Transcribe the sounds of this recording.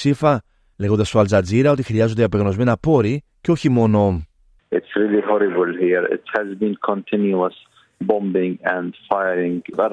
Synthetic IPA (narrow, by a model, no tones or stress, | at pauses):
sifɐ | le̞ɣo̞nd̪ɐst̪oɐlzɐd͡ziɾɐo̞t̪ixɾiɐzo̞nd̪eɐpeɣno̞zme̞nɐpo̞ɾi | ceo̞çimo̞no̞ | ʔɪtsɾiliɦɔɾɪbəlhiɾɪ̰thæzbĩnkʰɔ̃ntʰɪ̃njuəs | bɔ̃mbɪ̃ŋæ̃ndfajɾɪ̃ŋɡvɛ